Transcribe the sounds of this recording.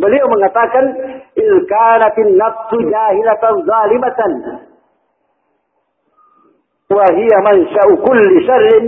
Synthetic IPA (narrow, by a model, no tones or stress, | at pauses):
bɪlijawmɪnat̪ˤaːkanʔɪðkaːnat̪ɪnːɑfsd͡ʒaːhɪlat̪zˤɑːlɪmat̪n | waɦɪjamanʃaʔʊkʊlːɪʃɑrːɪn